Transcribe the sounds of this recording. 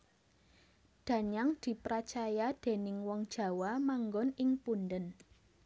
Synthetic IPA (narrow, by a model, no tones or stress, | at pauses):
ɖ̪̥ä̤ɲaŋd̪̥i̤pɾat͡ʃajad̪̥e̤nɪŋwɔŋd̥ʒ̥ä̤wamaŋɡɔnɪŋpunɖən